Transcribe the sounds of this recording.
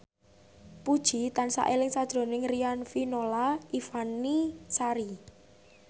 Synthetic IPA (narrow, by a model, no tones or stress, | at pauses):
pud̥ʒ̥i̤t̪ansa̰ʔelɪŋsad̥ʒ̥ɾo̤nɪŋrianfinolaifanisaɾi